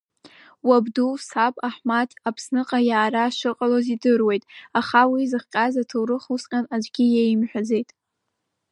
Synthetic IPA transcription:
wabdusapʼaħmatʰapʰsnɨqʼajaːɾaʃʷɨqʼalozidɨrwe̞jtʼaχawizɨχqʲʼazatʰɨwrɨχusqʲʼanad͡ʒʷɡʲijejimħʷᶣad͡ze̞jtʼ

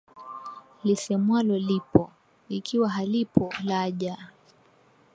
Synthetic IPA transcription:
lisɛmwalɔlipɔ | ikiwaɦalipɔlaʄa

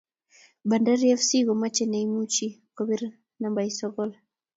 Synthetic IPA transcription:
bandaɾiɛfsiɣɔmat͡ʃɛnaimut͡ʃikɔbiɾ | nambaisɔɣɔla

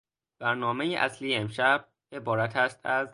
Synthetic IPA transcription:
b̥æɾnɒːmejeʔæslijeemʃæb̥̚ | e̞bɒːɾæt̪ʰæːst̪ʰæz

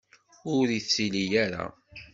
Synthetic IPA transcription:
ʊɾiθt͡sːilijaɾa̰

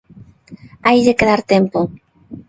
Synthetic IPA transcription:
ajʎekeðaɾt̪empo

